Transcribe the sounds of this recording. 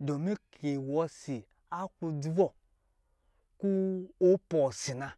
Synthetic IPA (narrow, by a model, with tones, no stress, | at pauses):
do˨mi˦kʰe˨wɔ˨si˨ | a˦ku˧di˦vɔ˦ | ku˦o˦pɔ˨si˨na˨